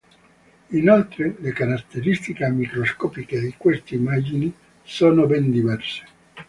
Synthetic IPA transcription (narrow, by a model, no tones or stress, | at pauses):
inolt̪ɾelekaɾat̪ːeɾist̪ikemikɾoskɔːpiked̪ikwest̪eimad͡ʒini | soːnobɛnd̪ivɛrse̥